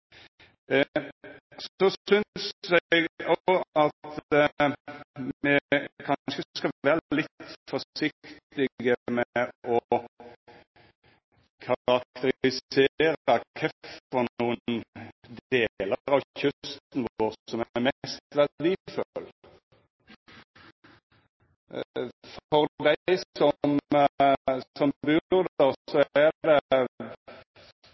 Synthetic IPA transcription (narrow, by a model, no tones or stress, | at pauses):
sɔʏnsɛɡɔɑt̪ə | mɛkʰɑnʃəskɑʋæːʁlɪt̪fɔsɪkt̪ɪɡəmɛʔɔ | kʰɑʁɑk̚t̪əɾɪseːɾɑkʰɛfɔnuːənd̪eːləʁɑʋçʉst̪n̩ʋoːʁsɔmæmɛst̪ʋæld̪iːføl | fɔʁd̪æɪsɔm | sɔmbʉʁd̪əʁsɔæd̪ɛ